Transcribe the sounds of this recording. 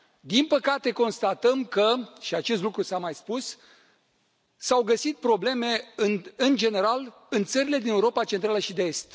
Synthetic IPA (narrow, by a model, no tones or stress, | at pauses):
d̪inpəkat̪e̞ko̞nst̪at̪əmkəʃiat͡ʃe̞st̪lukɾusamajspus | sawɡəsit̪̚pɾo̞ble̞me̞ɨnɨnd͡ʒe̞ne̞ɾal | ɨnt̪səɾile̞d̪ineuɾo̞pat͡ʃe̞nt̪ɾaləʃid̪eest̪